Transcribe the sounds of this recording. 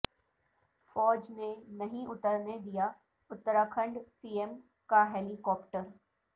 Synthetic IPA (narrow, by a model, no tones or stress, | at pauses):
fɔːd͡ʒnenɐɦĩʔʊt̪əɾned̪ija | ʊt̪ːəɾaːkʰə̃ɳɖsiːem | kaɦeːlikɔːpʈəɾ